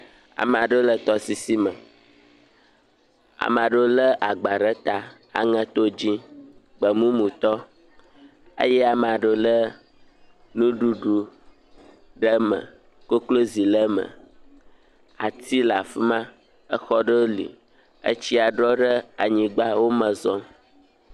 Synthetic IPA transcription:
a̰˨m˨a˨ɖo˦lə˦t̪ɔ˦si˨si˦mə̃˨ | a̰˨m˨a˨ɖə˦lə˦ʔa˨ɡ͡ba˨ɖə˦t̪a˨ | a̰˨ŋə̃˦t̪o˦d͡ʑĩ˦ | ɡ͡bə˨mũ˦mũ˨t̪ɔ˦ | ə̰˦jɛ˦a˨m˨a˨ɖə˦lə˦ | nũ˦ɖu˦ɖu˨ | ɖə˦mə̰̃˨ | ko˦klo˦zi˨lə˦mə̰̃˨ | a̰˨t̪i˦la˨fi˦mã˦ | ə˦xɔ˦ɖə˦lḭ˨ | ə̰˦t͡ɕi˦a˨ɖɾɔ˦ɖə˦a˨ɲĩ˨ɡ͡ba˦wo˦mə̃˨zɔ̃˦

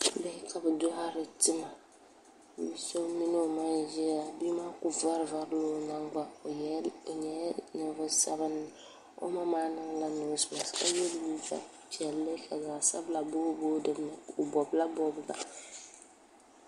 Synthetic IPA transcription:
bɛ˦kʰa˨bɨ˨do˦a˦ɾɨ˨tɨ˦ma˨ | i˨˦so˦mi˦no˦˨ma˦ʒɛ˦a˨bi˦ma˦kʊ˨va˦ɾva˨ɾlo˦na˦ŋɡ͡ba˦˨jɛ˨ɲɛ˨˦nɨ˨˦vʊ˦sa˦βɨ˦nɨ˨ | o̰˦ma˦maː˦nɨ˦ŋ˦la˦no˨˦sɨ˨ma˨ska̰˦jɛ˦lwi˦sa̰˦˨t͡ʃɛ˨lːe˦kʰa˨ɡa˨sa̰˦bla˨bo˦bo˦dɨ˨m˦nɨ˨o˨bɔ˨bla˦bɔ˦bla˨

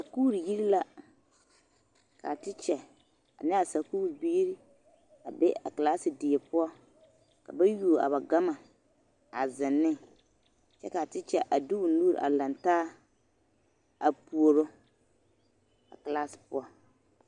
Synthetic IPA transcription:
sa˨kuː˦ɾi˨ji˦ɾi˦la˦ | ka̰˨tɪ˦t͡ʃɛ˨ | a̰˨nɪ˦a˨sa˨kuː˦ɾbi˦ɾi˦ | a˨bɛ˦a̰˨ka˨laː˦sɪ˨dɪ˨e˨pʊ˦ɔ˦ | ka̰˨ba˦ju˦˨a̰˨ba˨ɡa˦ma˨ | a˨zɪ˨nːɪ˦ | t͡ʃɛ˦ka˨tɪ˦t͡ʃɛ˨ʔa˨du˦ʊ˨n̩˦uː˦ɾ̰ʔa̰˨la˨ntaː˦ | a˨pu˦o˨ɾo˦ | a̰˨klaː˦sɪ̥˨pʊ˦ɔ˦

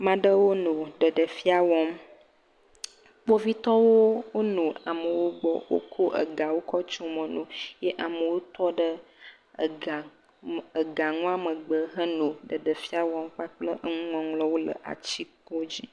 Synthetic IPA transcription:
mã˨ɖə˦wo˦no˨ɖə˨ɖə˨fi˦a˨wɔ˦m | k͡po˦vi˦t̪ɔ˦wo˦wo˦nõ˨a̰˨mə˨wo˦ɡ͡bɔ̰˨wo̰˦kʰo˦ʔə̰˨ɡa˨wo˦kɔ˦t͡ʃo˦mə̃˨nõ˨jɛ˦ʔa˨mə˨wo˦t̪ɔ˦ɖə˦˨ | a˨ | ə˨ɡa˨ŋɔ̃˦a˦mə˨ɡ͡bə˨ɦə˦nõ˨ɖə˨ɖə˨fi˦a˨wɔ˦mɸa˦k͡plə˦ʔə˦ŋũ˦ŋɔ̃˨ŋlɔ˦wo˦lə̰˨ʔa̰˨t͡ɕi˦kɔ˦d͡ʑi˦

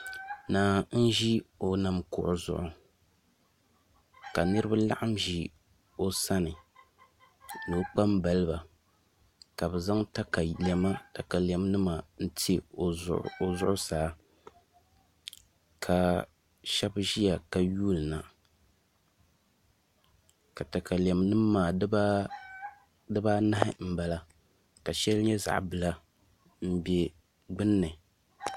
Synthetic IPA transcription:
naː˨n̩˦ʒi˦o˨na˨mkʊ˨ʔʊ˨zʊ̰˨ʔʊ˨ | ka˨nɨ˦ɾɨ˦ba˦la̰˦ʔa˦mʒi˨ | o˨sa˦nɨ˨ | nɨ˨˦k͡pa˦mba˨lɨ˦ba˨ | ka˨bɛ˨za˦ŋta˦ka˨lɛ˨ma˦ta˨ka˨lɛ˨m˦nɨ˦ma˨n̩˦te˦o˨ʔo˨zʊ˦ʔʊ˦saː˨˦ | kʰa˨ | ʃɛ˦bʒi˦ja˨ka˨juː˦lɨ˨na˨ | ka˨ta˨ka˨li˨a˨mnɨ˦mː˦aː˨˦b | dɨ˦ba˦na˦hɪ̰˦m̩˦ba˨la˦ | ka˨ʃɛ˦lɲɛ˦za̰˨ʔbɨ˨la˦ | m̩˦bɛ˦ | ɡ͡bɨ˦nːɨ˨

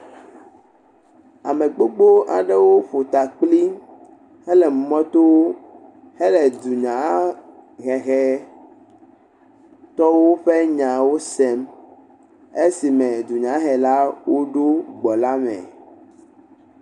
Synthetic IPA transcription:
a˨me˨k͡po˦ɡ͡bo˦ʔa̰˨ɖɛ˦wo˦ɸo˨t̪a˨k͡pli˦ | hɛ˦lɛ˨mu˨mɔ̃˦t̪o˦wo˦ | hɛ˦lɛ˨d̪u˨ɲã˨˦ | ɣɛ˨ɣɛ˦ | t̪ɔ˦wo˦ɸe˦ɲã˨wo˦sɛ˦m | e˦si˨mɛ̃˨d̪u˨ɲã˨˦ɦɛ˨la˦wo˦ɖo˦ɡ͡bɔ˨la˦mɛ̰̃˨

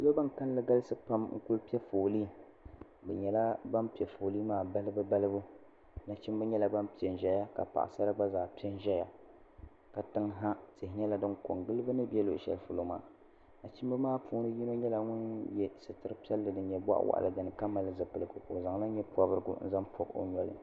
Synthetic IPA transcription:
lo˦ba˦nka˦n˦lɨ˦ɡa˦lɨ˦sɨ˦pa˦mŋ̩̰˦kʊ˦lpi˦ɛ˦foː˨liː˦ | bɛ˨ɲɛ˨la˦ba˦mpi˨ɛ˨fo˨li˦maː˦˨ba˦lɨ˦bɨ˦ba˦lɨ˦bu˦ | na˨t͡ʃi˦m˦bɨ˦ɲɛ˦la˨ba˦mpi˨ɛ˨n˨ʒɛ˨ja˦ka̰˨pa̰˨ʔa̰˨sa˦ɾa˦ɡ͡ba˦zaː˨pi˦ɛ˦n˦ʒɛ˦ja˨ | ka˨tɨ˦ŋɦa˦te˨hɪ˨ɲɛ˦la˨dɨ˦ŋko˨ŋɡɨ˦lɨ˦bɨ˦nɨ˦bɛ˦lo˨ʔʃɛ̰˨lfʊ˨lo˦ma̰ː˨ | na˨t͡ʃi˦mbɨ˦maː˦puː˦nɨ˦ji˦no˦ɲɛ˦la˨ŋʊ˦njɛ˦sɨ˨tɨ˦ɾɨ˦pi˦ɛ˦lːɨ˨dɨ˨ɲɛ˨ba̰˦ʔwa̰˦ʔa̰˨lɨ̰˨ɡa˨nɨ˨ka˦ma˨lɨ˦zɨ˨pɨ˨lɨ˨ɡʊ˨ko˨za˨ŋla˦ɲɛ˦pa˨bɨ˦ɾɨ˦ɡʊ̰˦n̩̰˦za˦mpʰo˨ko̰˦ɲɔ˦lɨ̰˨

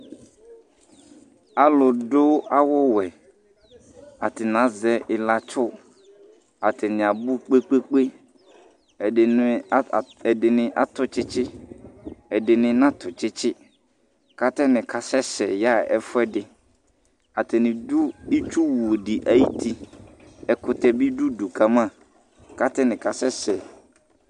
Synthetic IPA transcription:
a˨lʊ˨dʊ˦a˦wʊ˦wɛ˨ | a˨tɪ˨nã˨˦zɛ˦ʔɪ˨la˨t͡ʃʰʊ˦ | a˨tʰɪ˨nɪ̃˨a˨bu˦k͡pe˦k͡pe˦k͡pe˦˨˦ | ɛ˨dɪ˨nɪ̃˨ʔa˦tʊ˨t͡ʃɪ˦t͡ʃɪ˦ | ɛ˨dɪ˨nɪ̃˨nã˦tʰʊ˨t͡ʃɪ˦t͡ʃʰɪ˦ | ka˦tɛ˦nɪ̃˨kʰa˨sɛ˦sɛ˨ja˦ɛ˦fʊ˦ɛ˦dɪ˨ | a˨tʰɪ˨nɪ̃˨du˦i˦t͡ʃu˦wu˨dɪ˨ʔa˦ji˦tʰi˦ | ɛ˨kʊ˨tɛ˨bi˦du˦du˨kʰa˨mã˦˨ | ka˦tɛ˦nɪ̃˨ka˨sɛ˦sɛ˨

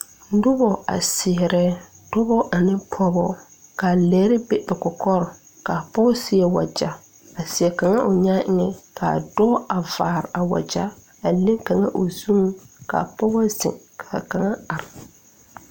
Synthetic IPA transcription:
dʊ˦bɔ˨a̰˨sɪ˨ɛ˨ɾɛ˦ | dʊ˦bɔ˦ʔa˨nɪ˦pʰɔ˦bɔ˦ | ka˨lɛ˨˦ɾɪ˦bɛ˦bɛ˨kɔ˨kʰɔ˦ɾɔ˨ | ka˨pɔ˦sɪ˦ɛ˨wa̰˨d͡ʒa˨ | a˨sɪ˨ɛ˨ka˨ŋa˦ʔʊ˨ɲa˦ɪ˦ŋɛ˦kʰa̰˨dɔ˦a˨vaː˨ɾɪ˨ʔa˨wa̰˨d͡ʒa˦ | a˨lɪ˦ŋka˨ŋa˦ʔo˨zu˦ka̰˨pɔ˦wa˦zɪ̰˨ŋ | kʰa˨ka˨ŋa˦a˨ɾɪ˨

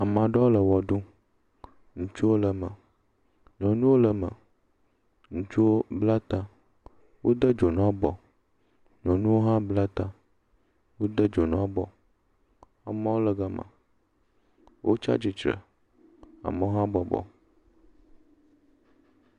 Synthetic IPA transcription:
a˨m˨ã˨ɖɔ˦wo˦lə˨wɔ˨ɖũ˦ | ŋũ˨t͡ʃu˦wo˦lə˨mə˨ | ɲɔ̃˨nũ˦wo˦lə˨mə̰˨ | ŋũ˨t͡ʃu˦wo˦bla˦t̪a˦ | wʔo˦d̪ə˦d͡ʒo˨nã˦bɔ˨ | ɲɔ̃˨nũ˦wo˦ɦã˦bla˦t̪a˦ | wo˦d̪ə˦d͡ʒo˨nã˦bɔ̰˨ | a˨mã˦wo˦lə˨ɡa˦mã̰˨ | wʔo̰˦t͡ʃa̰˦d͡ʑi˨t͡ʃɾə̰˨ | a̰˨mə˨˦o˦ɦã˦bɔ˨bɔ̰˨

